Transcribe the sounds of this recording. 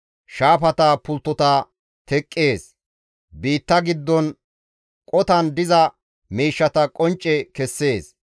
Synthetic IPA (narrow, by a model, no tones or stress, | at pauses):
ʃaːfɐt̪ɐpʊlt̪ːɔt̪ɐ | t̪ɛkʼːe̞ːs | biːt̪ːɐɡɪd̪ːɔn | kʼɔt̪ɐnd̪ɪzɐ | miːʃːɐt̪ɐkʼɔnt͡ʃʼːɛkɛsːe̞ːs